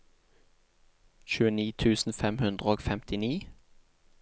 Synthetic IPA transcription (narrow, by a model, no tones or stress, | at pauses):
çʉːəniːt̪ʰʉːsn̩fɛmhʉnd̪ʁəoːɡfɛmt̪ɪniː